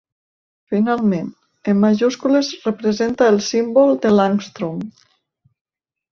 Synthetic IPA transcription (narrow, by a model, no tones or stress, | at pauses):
finalˠmẽn | emːaʒuskulezrəpɾezent̪aelˠsimbolˠd̪əlaŋst̪ɾum